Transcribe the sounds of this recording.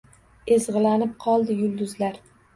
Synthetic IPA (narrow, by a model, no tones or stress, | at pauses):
ezʁɨlanɪp̚qʰɒlˠd̪ɪjʊlˠd̪ʊzlaɾ